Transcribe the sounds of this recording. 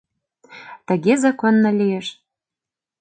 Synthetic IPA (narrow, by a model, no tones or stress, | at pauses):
t̪ə̆ɣezɑkonːɤlijeʃ